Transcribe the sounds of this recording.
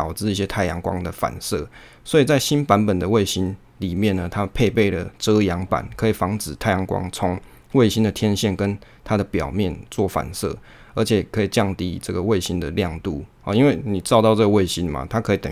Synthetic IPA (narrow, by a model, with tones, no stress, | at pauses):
ɑ˨˩ʊt͡sɹ̩˥˧i˥˩ɕjɛ˦t̪ʰa˥˩ɪjɑ˧˥ŋkwɑ̰˥ŋd̪ə˨fa̰˨˩nsɤ̰˥˩ | swɔ˧˥i˨˩t͡sa˥˩ɪɕi˦npa˧˦˥npə˨˩nd̪ə˩we˥˩ɪɕi˦n | li˨˩mjɛ˥˨nnə˩t̪ʰa˦pʰe˥˧ɪpe˥˩ɪlə̰˩ʈ͡ʂɤ˦jɑ˧˥ŋpa̰˨˩nkʰəɤ˦˥i˨˩fɑ˧˥ŋt͡sɹ̩˨˩t̪ʰa˥˩ɪjɑ˧˥ŋkwɑ̰˦ŋt͡sʰo˦ŋ | we˥˩ɪɕi˥˦nd̪ə˨t̪ʰjɛ˥nɕjɛ˥˩nkə˦n | t̪ʰa˥d̪ə˨pjɑ˨˩ʊmjɛ˥˨nt͡swɔ˥˨fa̰˨˩nsɤ̰˥˩ | ə˧˥t͡ɕʰɛ˨˩kʰɤ˧˥i˨˩t͡ɕjɑ˥˧ŋt̪ḭ˧ʈ͡ʂɤ˥˩ɡə˩we˥˩ɪɕi˦nd̪ə˨ljɑ˥˧ŋt̪u˥˩ | ɔ˨i˦nwe˥˩ɪni˨˩t͡sɑ˥˧ʊt̪ɑ˥˧ʊt͡sɤ˥˩ɡə˨we˥˩ɪɕi˦˥nma̰˨t̪ʰa˦˥kʰə˧˦˥i˨t̪ə̰˨